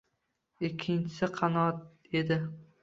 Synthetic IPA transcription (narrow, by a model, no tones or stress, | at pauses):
ɪkʲʰːɪnt͡ʃʰɪ̥sɪqʰɑnɒt̪̚ | e̞d̪ɪ